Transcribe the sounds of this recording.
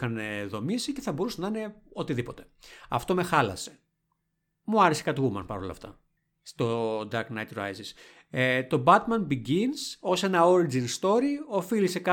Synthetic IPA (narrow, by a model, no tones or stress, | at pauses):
xɐneðo̞misice̞θɐbo̞ɾusenɐine̞o̞t̪iðipo̞t̪e̞̥ɐ̰ft̪o̞me̞xɐlɐ̰se̞ | muɐɾese̥kɐt̪oumɐ̰npɐɾo̞lɐ̰ft̪ɐ̰ | st̪od̪ɐɾknɐjt̪ɾɐ̰jzis | et̪o̞bɐt̪mɐnbiɟinso̞se̞nɐo̞ɾid͡zinst̪o̞ɾio̞filise̞kɐ